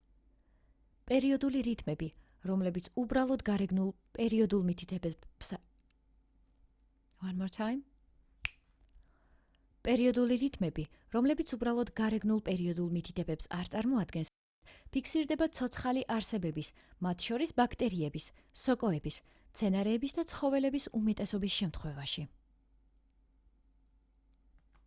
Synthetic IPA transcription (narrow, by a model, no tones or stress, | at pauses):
pʼɛɾiɔd̪uliɾit̪ʼʰmɛbi | ɾɔmlɛbit̪sʰubɾalˠɔd̪ɡaɾɛɡnulˠ | pʼɛɾiɔd̪ulˠmit̪ʰit̪ʰɛ | vanmɔɾt̪ʰam | pʼɛɾiɔd̪uliɾit̪ʰʼmɛbi | ɾɔmlɛbit̪sʰubɾalˠɔd̪ɡaɾɛɡnulˠpʼɛɾiɔd̪ulˠmit̪ʰid̪ʰɛbɛpsaɾt̪sʼaɾmɔad̪ɡɛns | pʰikʰsiɾd̪ɛbat̪sʰɔt̪sʰχaliʔaɾsɛbɛbis | mat̪ʰʃɔɾisbakʰt̪ʼɛɾiɛbisː | ɔkʼɔɛbis | mt̪sʰɛnaɾɛːbisd̪at̪sʰχɔvɛlɛbisumɛt̪ʼɛsɔbisʃɛmt̪ʰχwɛvaʃi